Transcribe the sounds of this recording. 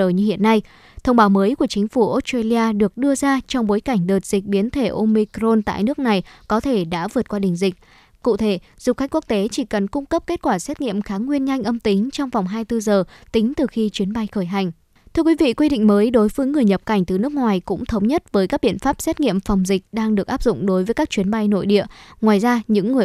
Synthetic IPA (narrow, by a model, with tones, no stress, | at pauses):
əː˧˨˩jɲɨ˧hḭ˧˨ənːa˧j | t̪ʰə˧wŋ͡mɓaː˨˦wməː˨˦jku˧˩ət͡ɕï˨˦ŋ̟fu˧˩ʔo˦˥t̚ste˧li˧aː˧ɗɨ˨˩ək̚ɗɨ˧əzaː˧t͡ɕɔ˧wŋ͡mɓo˨˦jka˧˩jŋ̟ɗəː˨˩t̚z̥i˨˩k̟̚ɓi˨˦ənt̪ʰe˧˩ʔo˧mi˧kɾo˧nt̪a̰ː˧˨jnɨ˦˥ək̚na˨˩jkɔ˨˦t̪ʰe˧˩ɗa̰ː˧˥vɨ˨˩ət̚kwaː˧ɗï˨˩ŋ̟zï˨˩k̟̚ | kṵ˧˨t̪ʰe˧˩z̥u˨˩xa̟˦˥ku˦˥k̚t̪e˨˦t͡ɕi˧˩kə˨˩nkʊ˧ŋ͡mkə˦˥p̚ke˦˥t̚kwaː˧˩sɛ˦˥t̚ŋḭ˧˨əmxaː˨˦ŋwi˧ənɲa˧jŋ̟ʔə˧mt̪ï˨˦ŋ̟t͡ɕɔ˧wŋ͡mva˨˩wŋ͡mɦaː˧jt̪ɨ˧zəː˨˩t̪ï˨˦ŋ̟t̪ɨ˨˩xi˧t͡ɕwi˨˦ənɓa˧jxəː˧˩jɦa˨˩jŋ̟ | t̪ʰɨ˧əkwi˨˦vḭ˧˨kwi˧ɗḭ̈˧˨ŋ̟məː˨˦jɗo˨˦jvəː˨˦jŋɨ˨˩əjɲə˨˩p̚ka˧˩jŋ̟t̪ɨ˨˩nɨ˦˥ək̚ŋwaː˨˩jkʊ̰˧˥ŋ͡mt̪ʰə˨˦wŋ͡mɲə˦˥t̚vəː˨˦jkaː˦˥k̚ɓḭ˧˨ənfaː˦˥p̚sɛ˦˥t̚ŋḭ˧˨əmfɔ˨˩wŋ͡mzï˨˩k̟̚ɗaː˧ŋɗɨ˨˩ək̚ʔaː˦˥p̚zʊ̰˧˨ŋ͡mɗo˨˦jvəː˨˦jkaː˦˥k̚t͡ɕwi˨˦ənɓa˧jno̰˧˨jɗḭ˧˨əŋwaː˨˩jzaː˧ɲɨ̰˧˥ŋːɨ˨˩ə